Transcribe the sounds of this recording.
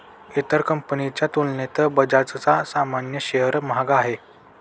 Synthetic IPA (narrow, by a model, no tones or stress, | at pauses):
et̪əɾkəmpənit͡ɕjat̪ulnet̪əbəd͡zat͡st͡sasamanjəɕeɦəɾmɦaɡaːɦe